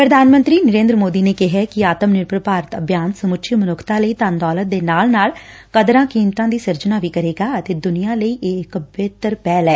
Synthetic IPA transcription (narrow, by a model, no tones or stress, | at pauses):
pɾəd̪ʱaːnmə̃nt̪ɾiːnəɾẽːnd̪ɾəmoːd̪iːneːkɪɦɛːkɪaːt̪əmnɪɾpɾəpaːɾət̪əbʱjaːnsəmʊtʃʰiːmənʊkʰt̪ãːləiːt̪and̪ɔːlət̪̚d̪eːnaːlnaːl | kəd̪ɾãːkiːmt̪ãːd̪iːsəɾd͡ʒənaːʋiːkəɾeːɡaːət̪eːd̪ʊnijãːləiːʔeːɪkbeːt̪əɾpɛːlɛː